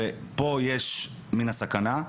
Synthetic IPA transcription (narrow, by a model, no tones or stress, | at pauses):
epojeʃ | minasakana